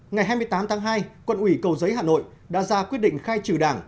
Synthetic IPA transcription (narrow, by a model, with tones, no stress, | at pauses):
ŋa˨˩jɦaː˧jm˧əjt̪aː˨˦mt̪ʰaː˨˦ŋɦaː˧jkwə˧˨nʔwi˧˩kə˨˩wzə˨˦jɦaː˨no̰˧˨j | ɗa̰ː˧˥zaː˧kwt̚ɗḭ˧˨ŋ̟xaː˧jt͡ɕɨ˨˧˩ɗaː˧˩ŋ